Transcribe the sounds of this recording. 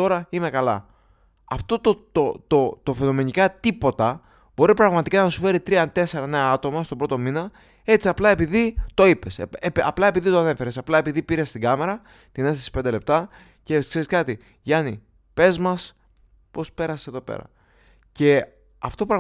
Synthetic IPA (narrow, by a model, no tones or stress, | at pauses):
to̞ɾɐime̞kɐlɐ̰ | ɐft̪o̞t̪ot̪ot̪ot̪ofe̞no̞me̞ɲikɐt̪ipo̞t̪ɐ | bo̞ɾipɾɐɣmɐt̪ikɐnɐsufe̞ɾit̪ɾiɐt̪e̞se̞ɾɐne̞ɐɐt̪o̞mɐst̪o̞bɾo̞t̪o̞minɐ | e̞t͡siɐplɐe̞piðit̪o̞ipeseɐ̰plɐe̞piðit̪oɐne̞fe̞ɾe̞sɐplɐe̞piðipiɾe̞st̪iɡɐme̞ɾɐ | t̪ineθθesi̥pnd̪ele̞p̚t̪ɐ | ce̞kseɾiskɐt̪i | ʝɐni | pe̞zmɐs | po̞spe̞ɾɐseðo̞pḛɾɐ̰ | ce̞ | ɐft̪o̞pɾɐ